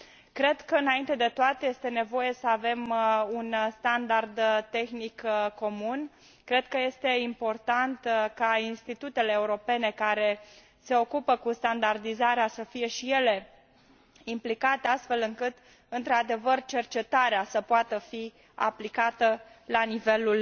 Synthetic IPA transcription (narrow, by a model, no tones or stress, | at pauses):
kɾe̞d̪kəɨnaint̪e̞d̪e̞t̪oat̪eje̞st̪e̞ne̞vo̞je̞səave̞munst̪and̪ard̪t̪e̞xnikkːo̞mun | kɾe̞d̪̥̚kəje̞st̪e̞impo̞rt̪ant̪kainst̪it̪ut̪e̞le̞ːuɾo̞pe̞ne̞kaɾe̞ | se̞o̞kupəkust̪and̪ard̪izaɾeasəfije̞ʃije̞le̞ | implikat̪east̪fe̞lɨŋkɨt̪ | ɨnt̪ɾad̪e̞vərt͡ʃe̞rt͡ʃe̞t̪aɾeasəpoat̪əfi | a̰plikat̪əlanive̞lul